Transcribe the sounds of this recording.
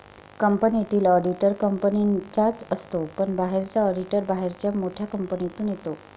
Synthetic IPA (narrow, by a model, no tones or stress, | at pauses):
kəmpənit̪iːlɔɖiʈəɾkəmpənit͡ɕat͡səst̪opəɳbaɦeɾt͡saɔɖiʈəɾbaɦeɾt͡ɕjamoʈʰjakəmpənit̪uːnjet̪o